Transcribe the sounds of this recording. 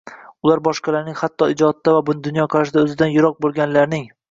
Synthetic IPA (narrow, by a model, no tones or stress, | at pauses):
ʊlˠaɾbɒʃqɑlaɾnɪŋhat̪ːɒɪd͡ʒɒt̪ʰːavabʊnd̪ʊnjɒqʰɑɾaʃ̬ɪd̪aɵzɪd̪anjʊɾɒq̚bolˠɡʲanlaɾnɪŋ